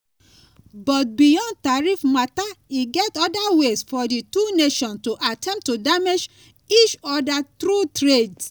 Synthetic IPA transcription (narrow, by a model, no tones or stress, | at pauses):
bɔt̚bijɔ̃nd̚taɹifmataiɡɛtɔdawesfɔdituneʃɔ̃ntuʔatʰɛ̃mp̚tːudamed͡ʒ | it͡ʃɔdatɾutɹed